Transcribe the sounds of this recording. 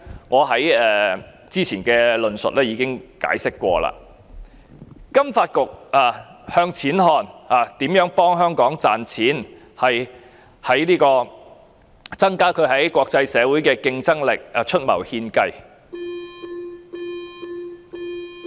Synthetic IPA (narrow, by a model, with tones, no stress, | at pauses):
ŋɔː˨˧ɦɐ˨˥jɛː˨˩ | t͡siː˥t͡sʰiː˨˩nkɛː˧lɵ˨nsɵ̰˨t̚lɛː˥jiː˨˧kɪ˥ŋka̰ː˨˥jsɪ˥kːʷɔ̰ː˧la̰ː˧ | kɐ˥mfaː˧t̚kʊ˨k̚aː˨˩hœː˧ŋt͡sʰiː˨˥nɦɔː˧naː˨˩t̪iː˨˥mjœː˨˥ŋpɔː˥ŋɦœː˥ŋkɔː˨˥ŋt͡saː˨nt͡sʰiː˨˥n | hɐ˨j | hɐ˨˥jliː˥kɔː˧ | t͡sɐ˥ŋkaː˥kʰɵ˨˧ɥhɐ˨˥jkʷɔː˧k̚t͡sɐ˧jsɛː˨˧wuː˨˥jkɛː˧kɪ˧ŋt͡sɐ˥ŋlɪ˨k̚ːt͡ʃʰɵ˥t̚mɐ̰˨˩whiː˧nkɐ˧j